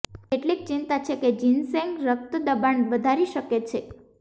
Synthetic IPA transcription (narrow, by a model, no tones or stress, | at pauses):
eʈlik̚t͡ʃint̪at͡ʃʰeked͡ʒinsɛ̃ŋɡɾək̚t̪əd̪əbaɳʋəd̪ʱaɾiʃəket͡ʃʰe